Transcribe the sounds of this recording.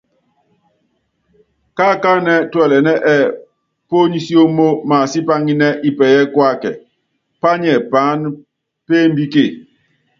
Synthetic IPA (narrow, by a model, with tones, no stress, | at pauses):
ka˦˨ka˦nɛ˦twɛ˨lɛ˨nɛ˦ʔɛ˦˨ | po˦ɲi˦si˦o˦mo˦ma˨si˦pa˦ŋi˦nɛ˦ʔi˨pɛ˨jɛ˦kwa˦kɛ̰˨ | pa˦ɲɛ˨paː˨˦n | pe˦m˦bi˦ke˦˨